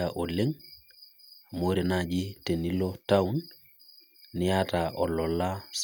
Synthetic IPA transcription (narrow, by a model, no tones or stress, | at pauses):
aʔoleŋ | moɾenad͡ʒitenilotaun | nɪjataʔɔlɔlːas